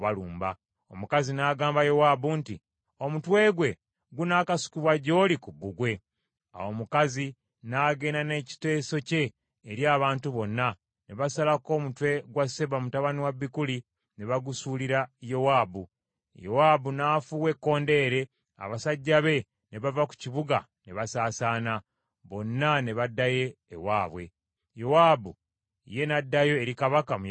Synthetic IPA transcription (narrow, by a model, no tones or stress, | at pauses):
βaluːmba̰ | o̞̰mukazinaːɡaːmbajo̞wabuntḭ | o̞mutwe̞ːɡwe̞ | ɡunaːkasu̥kuβwaɟo̞ːlikubuɡwe̞ | a̰wo̞mukazi | naːɡe̞ːnane̞ːci̥te̞ːso̞ce̞ː | ɾjaːβaːntuβo̞nːa | neβasalako̞ːmutwe̞ɡwase̞βamutaβaniwaβːikuli | ne̞βaɡusuːliɾajo̞waːbu | jo̞waːbunaːfuwe̞kːo̞ːnde̞ːɾe̞ | a̰βasaɟːaβe̞ | ne̞βavaku̥ciβuɡa̰ | ne̞βasaːsaːna | βo̞nːane̞βadːaje̞̰ːwaːβwe̞̰ | jo̞waːbu | ḭje̞nadːajo̞eɾikaβakam